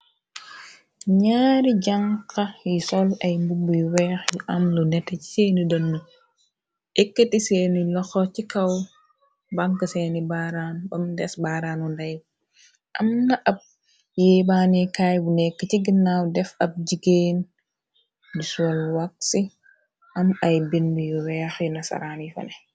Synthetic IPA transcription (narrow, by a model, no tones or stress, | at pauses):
ɲaːɾiɟaŋkɐjisɔlɐjmbubuwɛːxjiʔɐmlunɛtːɛci̥seːnidɐnːu | ʔekːetiseːnilɔxɔcikɐw | baŋkəsenibaːɾaːnbɐmdɛsbaɾaːnundɐj | ʔɐmnɐʔɐb̚ | jebaːnikajbunɛkːəciɡinːawdɛfɐb̚d͡ʒiɡeːn | disɔlwak̚si | ʔɐmɐjbinbujuwɛːxjunɐsɐ̰ɾaːnifɐ̰nɛ